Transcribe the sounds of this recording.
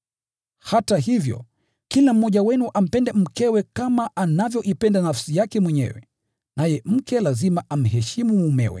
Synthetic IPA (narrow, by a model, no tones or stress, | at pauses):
hataɦivjɔ̰ | kilam̩ːɔʄawɛnuʔam̩pɛndɛm̩kɛwɛkamaʔanavjɔʔipɛndanafsijakɛmwɛɲɛ̰wɛ̰ | najɛm̩kɛlazimaam̩ɦɛʃimumumɛ̰wɛ̰